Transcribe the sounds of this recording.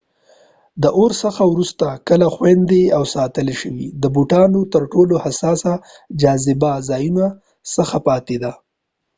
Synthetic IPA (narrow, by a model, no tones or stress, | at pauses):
d̪əʔoɾsəxawɾust̪akəlaxwend̪eawsɑt̪əleʃəwḭd̪əbuʈɑnot̪əɾʈolohasɑsa | d͡ʒɑzɪbazɑːjuna | səxapɑt̪ed̪a